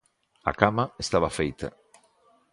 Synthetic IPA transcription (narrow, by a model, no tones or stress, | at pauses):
a̰kamaest̪aβafejt̪a̰